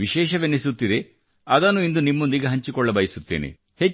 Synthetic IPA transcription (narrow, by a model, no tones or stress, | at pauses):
ʋiʃɛːʃɐʋenːesut̪ːid̪e̞ | ɐd̪ɐnːuind̪unimːo̞nd̪iɡeɦɐɲt͡ʃikɔɭːɐbɐjsut̪ːḛːnḛ | he